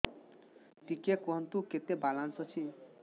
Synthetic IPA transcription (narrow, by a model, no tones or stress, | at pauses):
t̪ikekoɦnt̪uket̪ebalansɔt͡ʃʰi